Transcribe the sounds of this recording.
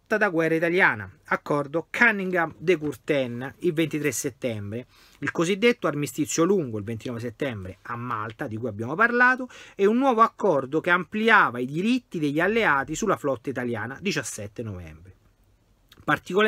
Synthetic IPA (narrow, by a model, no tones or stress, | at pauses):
t̪ːad̪aɡwɛrːait̪aljaːna̰akːɔrd̪okʰanːiŋɡamd̪ekurt̪ɛnːilvent̪it̪ɾesːet̪ːɛmbɾe | ilkozid̪ːet̪ːoarmist̪it̪sjoluŋɡoilvent̪inɔves̬et̪ːɛmbɾeamːalt̪ad̪ikujabːjaːmoparlaːt̪oɛunːwɔːvoakːɔrd̪okeampliaːvaid̪iɾit̪ːid̪eʎːalːeaːt̪isulːaflɔt̪ːait̪alja̰ːnad̪it͡ʃasːɛt̪ːenovɛ̰mbɾe | part̪iko